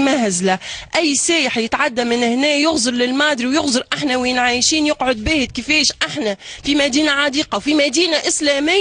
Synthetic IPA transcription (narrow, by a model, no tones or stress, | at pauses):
mæhæzlæʔæjːsæːjəħjɪt̪ʕad̪ːamɪnhnɛːjʊɣzˤɨɾlɪlmɑːd̪ɾiwjʊɣzɨɾʔaħnæwjɪnʕaːjʃiːnjʊqʕʊd̪̚bæːhɪd̪̚kɪfɛːʃʔaħnæfimæd̪iːnaʕɑd̪iːqɑwfimæd̪iːnaʔɪslɛːmɪ